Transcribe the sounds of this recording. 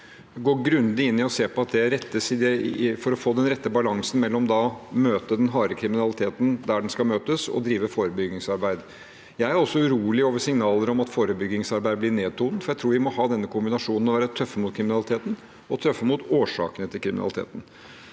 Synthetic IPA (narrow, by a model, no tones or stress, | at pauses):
ɛɡoːɾɡɾʉnd̪ɪɪnːɪɔseːpɔɑt̪̚d̪ɛɾɛt̪ːəsɪd̪ɛfɔɾɔfoːd̪ɛnɾɛt̪ːəbɑlɑŋsn̩mɛlːɔmd̪ɑmøːt̪əd̪ɛnɦɑːɾəkʰɾɪmɪnɑlɪt̪ʰeːt̪n̩d̪æɖɛnskɑmøːt̪əsɔ̰d̪ɾiːʋəfoːɾəbʏɡɪŋsɑɾbæɪd̪ | jæɪæɾɔsːɔʉɾuːlɪoːʋəsɪŋnɑːləɾɔmɑt̪foːɾəbʏɡːɪŋsɑɾbæɪəlɪneːd̪̚t̪ʰuːnət̪fɔɾjæɪɾuːɾʋɪmɔhɑːd̪ɛnːəkʰʊmbɪnɑʂuːnən̩ɔʋæːɾət̪ʰœfːəmʊt̪kʰɾɪmɪnɑlɪt̪ʰeːt̪n̩ | ɔt̪ʰɾœfːəmut̪oːʂɑ̰ːkənət̪ʰɪlkʰɾɪmɪnɑ̰lɪt̪ʰḛːt̪n̩